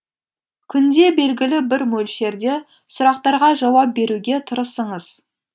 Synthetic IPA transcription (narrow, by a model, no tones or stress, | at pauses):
kʲʰʏnd̪e̞be̞lɡʲɪlɪbɪɾmɵlʃe̞ɾd̪e̞ | sʊɾɑq̚t̪ɑɾʁɑʒɑwɑp̚be̞ɾuɡʲe̞t̪ʰʊɾəsəɴəz̥